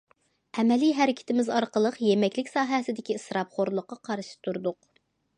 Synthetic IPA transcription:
ɛmɛliɦæɾɪkʲʰɪ̥t̪ʰɪmɪzɑɾqəlˠəqjemɛkʲlɪkʲsɑːɦɛsɪd̪ɪkʲisɾɑpχoɾlˠʊqːɑqʰɑɾɨʃɪ̥t̪ʰuɾd̪ʊq

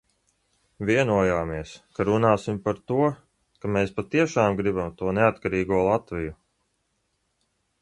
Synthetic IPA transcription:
vʲiɛnuɔjaːmiɛskaɾunaːsimpaɾt̪uɔ | kameːspat̪iɛʃaːmɡɾibamt̪uɔneat̪kaɾiːɡuɔlˠat̪viju

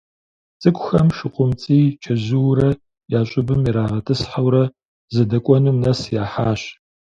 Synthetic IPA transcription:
t͡sʼɨkʷʼʊxɐmʃɨqʷʼʊmt͡sʼiːt͡ʃʰɐʑɨwɾɐ | jaːɕʷʼɪbɨmiɾaːʁɐtʰɨsħawɾɐ | zɐdɐkʷʼɔnumnɐsjaːħaːɕ

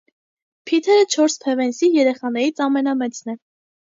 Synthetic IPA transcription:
pʰit̪ʰɛɾət͡ʃʰɔɾspʰɛvɛnsijɛɾɛχɑnɛɾit͡sʰɑmɛnɑmɛt͡sʰnɛ

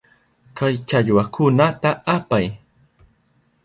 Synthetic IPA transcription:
kajt͡ʃaʎwakʰʊnat̪aapaj

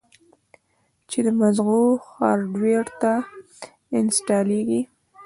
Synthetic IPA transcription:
t͡ʃed̪əmazɣoxɑɾɖweɽt̪a | ɪnsʈɑleɡi

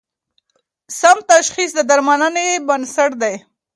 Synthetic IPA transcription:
samt̪aʃxis̬d̪əd̪aɾmanənebənsaʈd̪aj

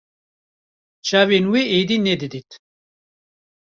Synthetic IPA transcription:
t͡ʃaːvenweed̪inɛd̪ɨd̪it̪

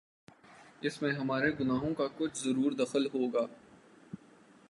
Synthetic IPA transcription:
ɪsmẽɦɐmaːɾeɡʊnaːɦõkakʊt͡ʃʰzɐɾuːɾd̪ɐxəlɦoːɡaː

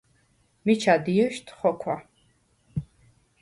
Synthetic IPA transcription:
mit͡ʃʰad̪iɛʃt̪ʰχɔkʰwa

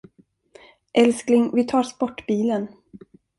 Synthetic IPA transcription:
ʔɛlsklɪŋvɪt̪ʰɑːɾspɔʈːbiːlən

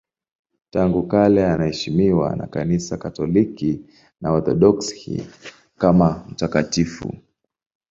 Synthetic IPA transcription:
taŋɡukalɛanahɛʃimiwa̰na̰kanisakatɔliki | naɔɾθɔ̰ɗɔkshḭ | kamam̩takatifṵ

